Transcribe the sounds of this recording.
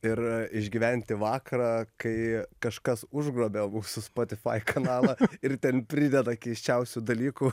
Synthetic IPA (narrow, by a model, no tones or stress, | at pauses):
ɪɾɪʒʲɡʲiːʋʲɛnʲt̪ʲɪʋɑːkɐɾɑːkɐɪkɐʃkɐsʊʒɡɾoːbʲemuːsʊspoːt̪ʲɪfɐ̰ɪkʰɐnɑːlˠɐɪrt̪ʲɛnpʲɾʲɪd̪ʲɛd̪ɐkʲɛɪʃʲt͡ʃʲɛʊsʲʊd̪ɐlʲiːku